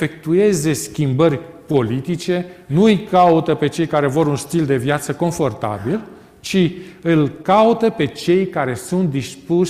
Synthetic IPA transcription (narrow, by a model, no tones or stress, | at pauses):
fe̞k̚t̪ue̞ze̞skʲimbərʲ | po̞lit̪it͡ʃe̞nuɨjkaut̪əpe̞t͡ʃe̞jkaɾe̞voɾunst̪ild̪e̞vjat̪səko̞ɱfo̞rt̪a̰bil | t͡ʃiɨlkaut̪əpe̞t͡ʃe̞jkaɾe̞sunt̪̚d̪ispu